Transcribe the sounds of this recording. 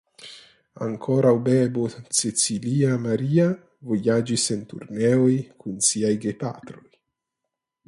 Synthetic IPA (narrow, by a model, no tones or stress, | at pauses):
a̰ŋkʰoɾawbebot͡set͡siliamaɾia | vojad͡ʒisent̪ṵɾnɛojkʰunsiajɡepa̰t̪ɾoj